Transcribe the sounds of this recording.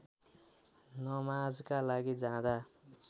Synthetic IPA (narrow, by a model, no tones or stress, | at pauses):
nʌmad͡zkalaɡid͡zãd̪a